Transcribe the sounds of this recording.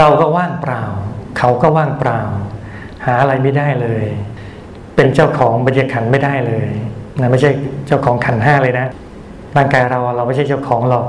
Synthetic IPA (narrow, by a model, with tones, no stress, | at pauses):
ɾa˧wkɔː˥˩waː˥˩ŋpɾaː˧wkʰa˦˥wkɔː˥˩waː˥˩ŋpɾaː˧w | haː˩˦ʔa˧ɾa˧jma˥˩jdaː˥˩jlɤː˧j | pe˧nt͡ɕaː˥˩wkʰɔː˩˦ŋba˧nja˧˩kʰa˨˩˦nma˥˩jdaː˥˩jlɤː˧jna˦˥ma˥˩jt͡ɕʰa˥˩jt͡ɕa˥˩wkʰɔː˩˦ŋkʰa˨˩˦nɦaː˥˩lɤː˧jna˦˥ | ɾaː˥˩ŋkaː˧jɾa˧wʔa˧wɾa˧wma˥˩t͡ɕʰjt͡ɕa˥˩wkʰɔː˩˦ŋlɔ˨˩k̚